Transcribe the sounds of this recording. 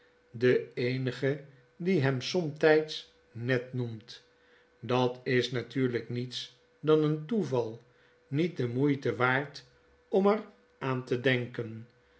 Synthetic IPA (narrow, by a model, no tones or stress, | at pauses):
dəejnəχə | diɦɛmsɔmtɛjts | nɛtnumt | dɑtɪsnatyːɹləknits | dɑnəntuvɑlˠ | nit̚dəmujtəʋaːɹt | ɔmər | aːntədɛŋkən